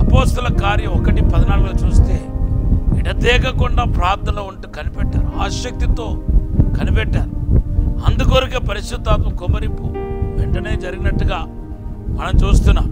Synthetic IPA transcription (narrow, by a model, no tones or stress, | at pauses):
ɐpoːst̪ɐlɐkaːɾjɐɔkɐʈipɐd̪ɐnaːlɐɡuloːt͡ʃuːst̪e̞ː | iʈɐt̪ɛːkɐkuɳɖaːpɾaːt̪ːɐloːuɳʈuːkɐnipɛʈːaːɾuaːʃɐk̚t̪it̪o̞ːkɐnipɛʈːaːɾuɐnd̪ukoːɾikeːpɐɾiʃt̪ut̪ːaːt̪̬ɐkumɐɾimpuʋɛɳʈɐneːd͡ʒɐɾiɡinɐʈːuɡaː | mɐnɐmt͡ʃuːst̪unːaːm